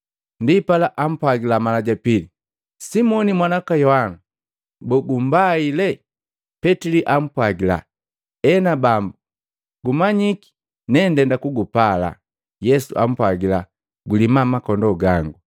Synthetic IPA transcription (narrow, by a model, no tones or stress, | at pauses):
ndipalaʔam̩pwaɡilamalaɟapili | simɔnimwanakajɔhana | bɔɡum̩bailɛ | pɛtiliʔam̩pwaɡila̰ | ɛnabambu | ɡumaɲiki̥ | nɛndɛndakuɡupala̰ | jɛsṵʔa̰m̩pwaɡila | ɡulimamakɔndɔɡaŋɡu